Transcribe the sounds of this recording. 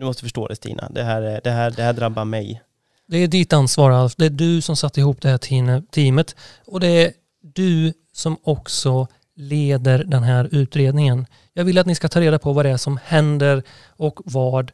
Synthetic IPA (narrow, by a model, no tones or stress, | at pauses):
d̪ɵmɔst̪əfœʂʈo̰ːd̪ɛst̪ḭːnʔa̰d̪ɛɦæːɾɛd̪ɛɦæːɾd̪ɛhæːɖɾabːaɾmɛj | d̪ɛːɖɪt̪ːansvɑːɾalfd̪ɛæɖɵsɔmsat̪ːəɪɦuːpd̪ɛhæːt̪ʰiːmət̪ | ɔd̪ɛæ | ɖɵ | sɔmɔksɔ | leːd̪əɾɖ̪ɛnɦæːɾʉ̟ːt̪ɾeːd̪nɪŋən | jɑːɡvɪlːat̪nɪskat̪ʰɑːɾeːd̪apʰɔvad̪ɛæʂɔmhɛnd̪əɾ | ɔkvɑːɖ